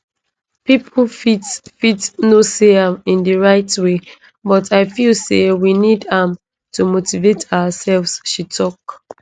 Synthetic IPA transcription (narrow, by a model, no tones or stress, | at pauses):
pipʰlfitfitnoseãmĩndəɹaɪtwe | bɔtʰaɪfilsewinidãm | tʰumotivetʰaəsɛlvsʃitʰɔk